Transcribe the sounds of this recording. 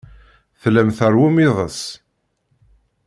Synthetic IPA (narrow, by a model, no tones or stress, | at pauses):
θlæmθəɾwumiðˤə̰s